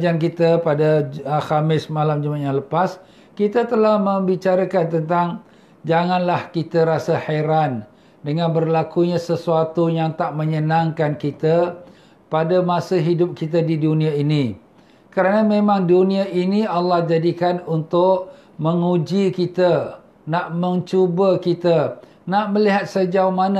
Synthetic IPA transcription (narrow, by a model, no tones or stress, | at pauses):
d͡ʒank̬it̪əpadahamɪsmalamd͡ʒumaʔjaləpas | kit̪ət̪əlahmə̃mbit͡ʃaɾakant̪ənt̪aŋ | d͡ʒaŋãnlahkit̪aɾasahajɾan | dəŋanbərlakuɲãsəsuat̪ujaŋt̪aʔmə̃ɲənãŋkankit̪a | padamasəɦidʊp̚kit̪̬adidunĩaini | kəɾanamẽmãŋdunĩaʔinialːɑhd͡ʒadikanunt̪ʊʔ | mə̃ŋud͡ʒikit̪ə | naʔmə̃nt͡ʃubəkit̪ə | naʔməliɦat̪̚səd͡ʒaumanə